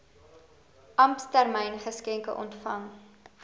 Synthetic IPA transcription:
ʔɐmpstærmɛjnχəskɛŋkə̰ʔɔ̰ntfɐŋ

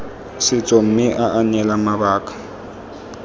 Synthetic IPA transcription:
sɪt͡sʼɔm̩mɪʔaʔaɲɛlamabaːkʼḁ

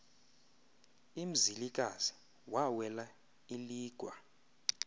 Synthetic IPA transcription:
im̩zilikʼaz̥i̥ | wawɛla | iliːɡ̥ʱwa

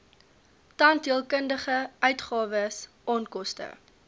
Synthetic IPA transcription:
tɐntiəlˠkəndəχəœɥtχɑːvəsʔɑːnkɔstə̰

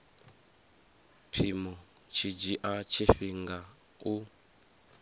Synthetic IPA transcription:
pʰimɔt͡ʃʰid͡ʒiʔat͡ʃʰeɸiŋɡa | u

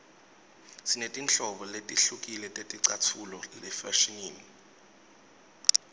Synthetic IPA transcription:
sinetʼint͡ɬɔɓɔletʼiɬukʼilɛtʼetʼiǀatʰulɔlɛfaʃiniːni

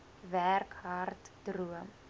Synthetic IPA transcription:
værkɦartdruəm

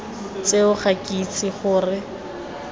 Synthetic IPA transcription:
t͡seʊχakʼit͡sʰiχʊːrɪ

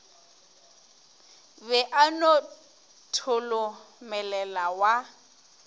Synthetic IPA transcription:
bɛʔano | tʰʊlʊmɛlɛlawa

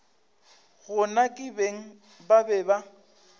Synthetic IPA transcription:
ɣʊnakʼɪbeŋ̩ | babɛba

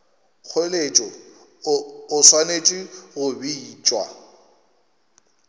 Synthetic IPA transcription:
k͡xʰolet͡ʃʼɔ | ʊswanet͡ʃʼiɣʊbiːt͡ʃʼwa̰

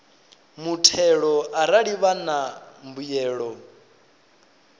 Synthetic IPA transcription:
mutʰɛɺɔʔaɾaɺiβanambujɛːɺɔ

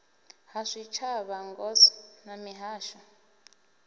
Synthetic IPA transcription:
haʂit͡ʃʰaβaŋɡɔsɔ̥namiɦaːʃɔ

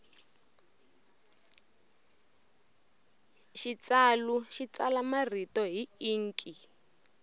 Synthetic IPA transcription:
ʃit͡saluʃit͡salamar̤itɔɦiiːŋ̩kʼi

